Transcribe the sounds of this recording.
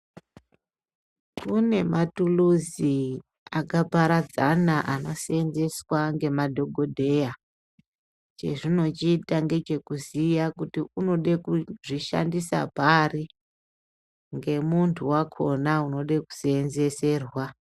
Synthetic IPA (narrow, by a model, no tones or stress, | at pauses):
kune̞matuluzi | akapaɾad͡zanaʔano̞senze̞swaŋɡe̞madʱo̞ɡʱo̞dʱe̞ja | t͡ʃe̞̰ʐino̞t͡ʃiːtaŋɡe̞t͡ʃe̞kuzijakutiuno̞ɗekuʐiʃa̰ndisa̰pari | ŋɡe̞muntʰuwakʰo̞nauno̞ɗeku̥senze̞se̞ːrwa